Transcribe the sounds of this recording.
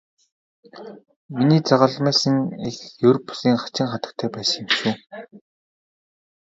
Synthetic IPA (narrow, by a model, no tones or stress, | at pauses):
miniːt͡saʁə̆ɮmæːsə̆ŋexjɵrpʊ̥siːŋχḁt͡ɕɪ̆ŋχat̪ə̥̆k̚t̪ʰæːpæːs̆ŋemʃuː